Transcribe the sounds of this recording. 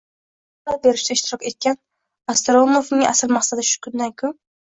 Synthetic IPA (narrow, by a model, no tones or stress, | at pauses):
lap̚be̞ɾɪʃt̪aɪʃt̪ʰɪɾɒkʲe̞t̪̚kʲan | ast̪ɾomovnɪŋa̰sɪɾmaχsad̪ɪʃʊ̥kʰʲʊnd̪ankʲʰʊ